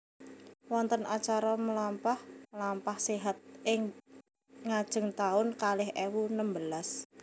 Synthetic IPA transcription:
wɔnt̪ənʔat͡ʃaɾaməlampahmlampahseɦat̪̚ʔɪŋ | ŋad̥ʒ̥ə̤ŋt̪aʊnkalɪɦʔewunəmbəlas

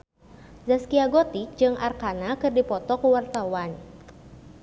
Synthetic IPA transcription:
zaskiaɡɔt̪ik̚d͡ʒɨŋʔarkanakɨrdipɔt̪ɔkuwart̪awan

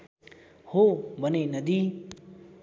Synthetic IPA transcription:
hobʱənenəd̪iː

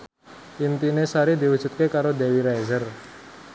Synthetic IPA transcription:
ʔint̪inesaɾid̪iwu̥ʒ̥ṳt̪̚kekaɾod̪ewiɾajzər

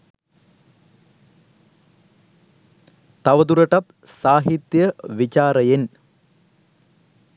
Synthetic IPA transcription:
t̪ɐʋɐd̪uɾɐʈɐt̪ | saːɦit̪jəʋit͡ʃaːɾəjen

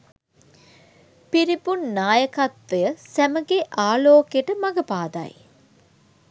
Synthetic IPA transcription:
piɾipunːaːjəkat̪ʋəjəsæməɡeʔaːloːkjeʈəmaɡəpaːd̪a̰j

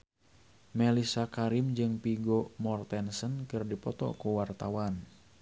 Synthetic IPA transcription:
mɛlisakaɾimd͡ʒɨŋpiɡomɔrt̪ɛnsənkɨrdipɔt̪ɔ̰kuwart̪awan

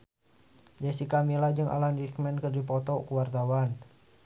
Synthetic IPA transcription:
d͡ʒasikamilad͡ʒɨŋʔa̰landikmɛnkərdipɔt̪ɔkuwart̪awan

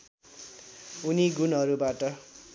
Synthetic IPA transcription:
uniɡunɦʌɾubaʈʌ

